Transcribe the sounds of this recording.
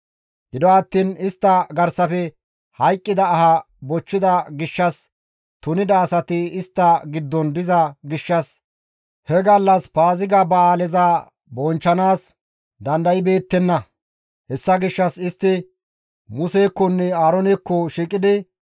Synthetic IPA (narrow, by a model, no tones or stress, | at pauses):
ɡɪd̪ɔɐt̪ːiːnɪst̪ːɐɡɐɾsɐfɛ | hɐjkʼːɪd̪ɐːhɐ | bɔt͡ʃːɪd̪ɐɡɪʃːɐs | t̪ʊnɪd̪ɐːsɐt̪ɪɪst̪ːɐɡɪd̪ːɔnd̪ɪzɐɡɪʃːɐs | hɛɡɐlːɐspaːzɪɡɐbɐaːlɛzaː | bɔnt͡ʃːɐnaːs | d̪ɐnd̪ɐjɪbe̞ːt̪ːɛnːɐ | hɛsːɐɡɪʃːɐsɪst̪ːɪ | mʊseːkːɔnːɛaːɾɔnɪkːɔʃiːkʼɪd̪ɪ